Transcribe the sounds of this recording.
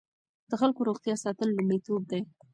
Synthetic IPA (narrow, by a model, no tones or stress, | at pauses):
d̪̥əxalkoɾoɣt̪jɑsɑt̪əlːumɽit̪ob̚d̪aj